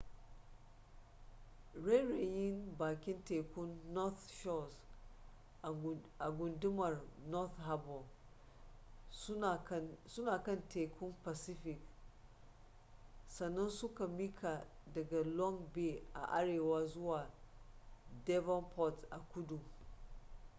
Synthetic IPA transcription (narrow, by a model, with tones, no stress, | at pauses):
ɾe˦ɾe˨jɪ˦nbaː˨kʲɪ˦nte˨kʷʊ˦nːɔ˦θʃɔ˦s | ʔa˨ɡʷʊ˨ndʊ˦mɐ˨rnɔ˦θɦa˦bɔ˨l | sʊ˦naː˨kɐ˦nteː˨kʰʷʊ˦mpa˨sɪ˦ɸɪ˨k̚ | sɐ˨nːɐ˦nsʊ˦ka˨mi˦kʰa˨dɐ˨ɡa˨lɔ˦ŋbeː˦˨ʔa̰˨ʔa˦ɽeː˨waː˦zʊ˦waː˨ | dɛ˦vɔ˦npɔ˦tʔa˨kʷʊ˦du˨